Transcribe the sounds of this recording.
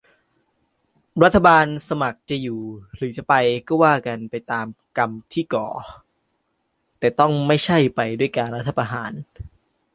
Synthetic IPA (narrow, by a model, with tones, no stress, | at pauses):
ɾa˦˥t̪ʰːa˧baː˧nsa˧ma˨˩k̚t͡ɕa˨˩juː˨˩ɾɯː˩˦t͡ɕa˨˩pa˧jkɔː˥˩waː˥˩ka˧npa˧jt̪aː˧mka˧mt̪ʰiː˥˩kɔː˨˩˦ | t̪ɛː˨˩t̪ɔ˥˩ŋma˥˩jt͡ɕʰa˥˩jpa˧jdu˥˩əjkaː˧nɾa˦˥t̪ʰːa˧pa˧ɦa̰ː˩˦n